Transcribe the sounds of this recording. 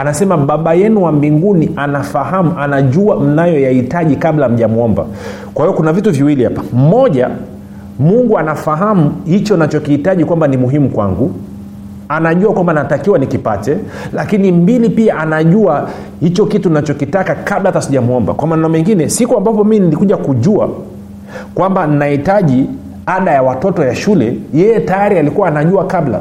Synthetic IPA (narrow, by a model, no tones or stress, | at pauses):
anasɛmaɓaɓajɛnuwambiŋɡuniʔanafaɦamuʔanaʄuam̩najɔjahitaʄikablam̩ʄamuɔmba̰ | kwahivɔkunavituviwiliha̰pam̩mɔʄa̰ | muŋɡuanafaɦamuhit͡ʃɔnat͡ʃɔkihitaʄikwambanimuɦimukwa̰ŋɡu | anaʄuakwambanaatakiwanikipatɛ | lakinimbilipiaʔanaʄua | hit͡ʃɔkitunat͡ʃɔkitakakablatasiʄamuɔmba̰kwamaːnamɛŋɡinɛsikuambapɔminilikuʄakuʄua̰ | kwamban̩nahitaʄi | aɗajawatɔtɔjaʃulɛ̰jɛjɛtajaɾialikuwaːnaʄuakabla̰